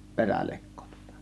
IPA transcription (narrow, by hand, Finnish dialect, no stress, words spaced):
perælekːo tŭ̥ŏ̥tɑ̥